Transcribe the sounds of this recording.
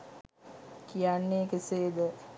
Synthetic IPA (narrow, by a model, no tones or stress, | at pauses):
kijanːeːkeseːd̪ə